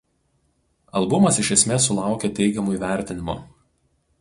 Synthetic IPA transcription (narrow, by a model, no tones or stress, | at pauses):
ɐlˠbʊmɐsɪʃʲɛsʲmʲeːsːʊlˠɑˑʊkʲet̪ʲɛɪɡʲɛmuːiːˑʋʲæˑɾʲt̪ʲɪnʲɪmo̰ː